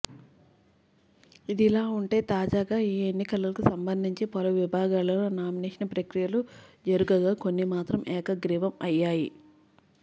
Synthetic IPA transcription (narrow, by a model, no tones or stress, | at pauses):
id̪ilaːuɳʈe̞ːt̪aːd͡ʒaːɡaːiːenːikɐlɐlɐkusɐmbɐnd̪ʱiɲt͡ʃepɐluʋibʱaːɡaːlɐlunaːmineːʂɐnɐpɾɐkɾijɐlud͡ʒɐɾuɡɐɡaːko̞nːimaːt̪ɾɐmʔɛːkɐɡɾiːʋɐmɐjːaːji